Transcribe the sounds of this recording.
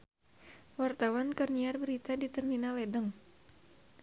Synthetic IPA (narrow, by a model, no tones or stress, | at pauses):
wart̪awankərniarbəɾit̪adit̪ərminalɛdəŋ